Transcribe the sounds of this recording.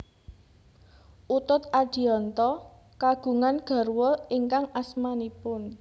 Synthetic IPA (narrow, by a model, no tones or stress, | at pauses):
ʔut̪ʊt̪ad̥i̤ɔnt̪ɔ | kaɡ̥ṳŋanɡ̥a̤rwɔiŋkaŋasmanipʊn